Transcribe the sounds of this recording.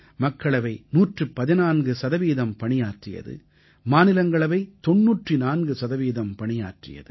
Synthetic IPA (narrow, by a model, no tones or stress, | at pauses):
mɐkːɐɭɐʋɐɪnuːʈrɯpɐðɪnaːnɡɯsɐðɐʋiːðɐmpɐɳɪjaːʈrɪjɐ̰ðɯ̰ | maːnɪlɐŋɡɐɭɐʋɐɪt̪ɔnːuːʈrinaːnɡɯsɐðɐʋiːðɐmpɐɳɪja̰ːʈrɪ̰jɐ̰ðɯ